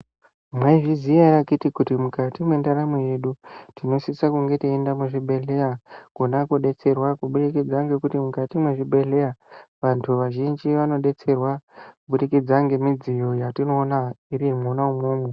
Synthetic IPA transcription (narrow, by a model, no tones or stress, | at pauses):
mwaiʐiziaɾakitikutimukatimwe̞ndaɾamuje̞ɗutino̞sisakuŋɡe̞tiendamuʐiɓe̞ɮe̞jaɡ̥ʱo̞nakuɗe̞t͡se̞rwakuɓuɗikid͡zaŋɡe̞kutimukatimweʐiɓe̞ɬe̞aʋantʰuʋaʒind͡ʒiʋano̞ɗe̞t͡se̞rwakuɓuɗikid͡zaŋɡe̞mid͡zijo̞jatino̞ːnaiɾimonaumuːme